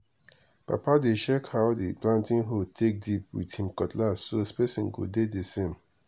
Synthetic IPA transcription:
pa̰padet͡ʃɛkhaʊdḭplãntĩnɦod̚tʰek̚dip̚wḭthĩmkɔtlasoespesĩnɡo̰dedesẽm

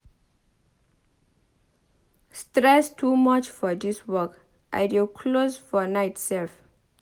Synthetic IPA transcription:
stɾɛstʰuːmat͡ʃfɔd̪iswək | ʔa̰ɪdukʰlozfɔnaɪtsɛlf

